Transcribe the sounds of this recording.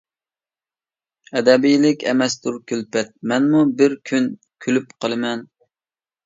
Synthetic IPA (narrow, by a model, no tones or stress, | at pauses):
ɛd̪ɛbijlɪkʲɛ̰mɛst̪uɾkʲʰylpɛt̪̚mɛnmubɪɾkʲʰyn | kʲʰylypqʰəlˠɨmɛn